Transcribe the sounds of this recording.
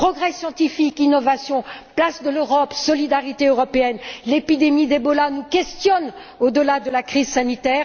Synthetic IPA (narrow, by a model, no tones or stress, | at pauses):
pχɔɡʁɛsjɑ̃t̪ifikinɔvasjɔ̃plasd̪əløʁɔpsɔlid̪aʁit̪eøʁɔpeɛnlepid̪emid̪ebɔlanukʲɛst̪jɔn | od̪əlad̪əlakχizsanit̪ɛːʁ